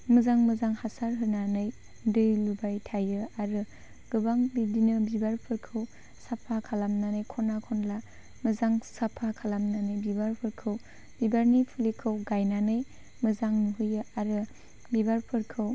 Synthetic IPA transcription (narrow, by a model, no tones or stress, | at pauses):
mɯzaŋmɯzaŋhasaɾɦɯnanɯj | dɯjlubajtʰajɯaɾɯ | ɡ̥ɯbaŋbidinɯbibaɾpʰɯɾkʰɯw | sapʰakʰalamnanɯjkʰɔnakʰɔnla | mɯzaŋsapʰːakʰalamnanɯjbibaɾpʰɯɾkʰɯw | bibaɾnipʰulikʰɯwɡajnanɯj | mɯzaŋnuɦɯjɯaɾɯ | bibaɾpʰɯɾkʰɯw